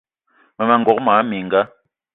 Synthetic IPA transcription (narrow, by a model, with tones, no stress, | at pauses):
ma˨ma˨ŋɡɔ˨k̚maː˨˦mi˨ŋɡa˦